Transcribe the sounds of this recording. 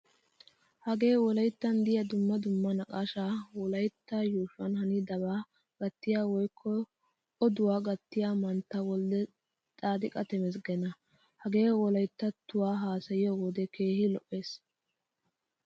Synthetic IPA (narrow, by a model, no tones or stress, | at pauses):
hɐɡe̞ːwɔlɐjt̪ːɐnd̪ɪjɐd̪ʊmːɐd̪ʊmːɐnɐkʼaʃawɔlɐjt̪ːɐjuːʃʊɐ̰nhɐnɪd̪ɐbaː | ɡ̥ɐt̪ːɪjaːwɔjkʰːɔ | ɔd̪ʊwaːɡɐt̪ːɪjaːmɐnt̪ːɐwɔld̪ɛ | t̪ʼaːd̪ɪkʼɐt̪ɛmɛs̬ɡɛnɐ | hɐɡe̞ːwɔlɐjt̪ːɐt̪ːʊwaːɦaːsɐjɪjɔɡɔd̪ɛke̞ːhɪlɔʔːe̞ːs